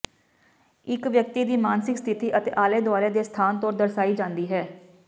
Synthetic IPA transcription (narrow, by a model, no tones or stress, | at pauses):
ɪkʋjək̚t̪iːd̪iːmaːnsɪkst̪ʰɪt̪iːʔət̪ḛːʔaːleːd̪ʊaːɾeːd̪eːst̪ʰaːnt̪oːɾd̪əɾsaːiːd͡ʒãːnd̪iːɦɛː